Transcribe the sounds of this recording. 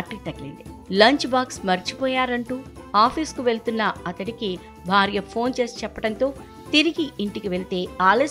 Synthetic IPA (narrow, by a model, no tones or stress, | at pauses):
ɐʈːikt̪ɐklḭnd̪i | lɐɲt͡ʃbaːksmɐɾit͡ʃipɔːjaːɾɐɳʈuː | aːpʰiːskuʋe̞ɭt̪unːɐɐt̪ɐniki | bʱaːɾijɐpʰo̞ːnt͡ʃe̞ːst͡ʃɛpːɐʈɐnt̪o̞ː | t̪iɾiɡiiɳʈikiʋe̞ɭit̪e̞ːaːle